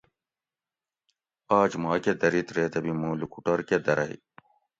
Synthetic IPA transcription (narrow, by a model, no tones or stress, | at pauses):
aːt͡ʃmaːked̪ɐɾit̪ɾeːt̪ɐbimuːlukuʈɐɾked̪ɐɾɐɦḭ